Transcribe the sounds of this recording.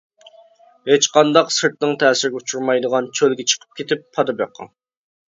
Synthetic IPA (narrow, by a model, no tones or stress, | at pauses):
et͡ʃqʰɑnd̪ɑqsɨɾt̪̚nɨŋt̪ʰɛːsɪɾɪɡʲɛut͡ʃʰuɾmɑjd̪əʁɑnt͡ʃʰølɡʲɛt͡ʃʰə̥qʰə̥p̚kʲʰet̪ʰɪpʰːɑd̪ɨpjɑqʰːɑ̰ŋ